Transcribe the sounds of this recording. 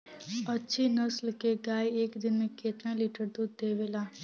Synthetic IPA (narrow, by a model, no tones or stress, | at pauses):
ɐtːʃʰinəslkeɡaːieːkd̪ɪnmẽkeːt̪nãliʈəɾd̪uːd̪d̪eːʋeːlaː